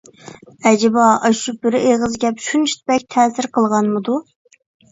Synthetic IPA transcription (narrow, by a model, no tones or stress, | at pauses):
ɛd͡ʒɪbɑɑʃubɪɾɪʔeʁəzɡʲɛpʃunt͡ʃʰi̥t̪̚bɛk̚ʲt̪ʰɛːsɪɾqʰəlˠʁɑnmɨd̪u